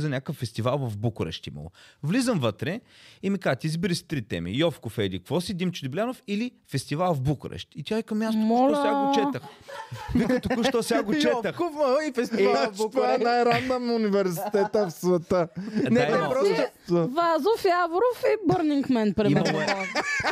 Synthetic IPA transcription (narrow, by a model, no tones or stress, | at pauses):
zɐnʲakəfːɛst̪ivalˠvɐvbukɾɛ̰ʃt̪ḭmɐ̰lˠo̰vlizəmvət̪ɾɛimikazət̪izbiɾist̪ɾit̪ɛ̰mḭjɔfkofɛilikvɔsid̪imt͡ʃʊd̪ibʲlʲanofili | fɛst̪ivalˠvbukɾɛ̰ʃt̪it̪ʲjaikɐmmʲjast̪omɔosʲɛɡaɡot͡ʃɛt̪əxvikət̪ouʃt̪ɔsɛɡaɡot͡ʃɛt̪əxkufmɐlˠifɛst̪iabuk̪vaɛnajɾanːəmʊnivɛɾsi̥t̪ɛt̪əfsvɛt̪ədnɛaimpɾɔsvazofiavoɾofibəɾniŋkmɛnpɾɛimɐ